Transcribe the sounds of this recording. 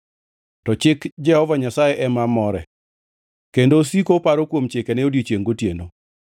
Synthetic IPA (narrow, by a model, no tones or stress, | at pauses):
tɔt͡ʃɪkd͡ʒɛhɔvaɲasajeʔɛmamɔɾɛ̰ | kendosikopaɾokwomt͡ʃɪkɛnɛodjot͡ʃjeŋɡotjeno